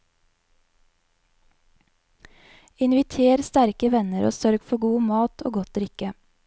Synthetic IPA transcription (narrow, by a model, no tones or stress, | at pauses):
ɪnʋɪt̪ʰeːɾst̪æɾkəʋɛnəɾo̰ːsœɾɡfɔɡuːmɑːt̪ʰo̰ːɡɔt̪ɾɪkə